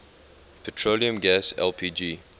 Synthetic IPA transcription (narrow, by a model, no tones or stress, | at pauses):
pʰɛtʰɹoliə̃mɡæsɛ̰lpʰiːd͡ʒi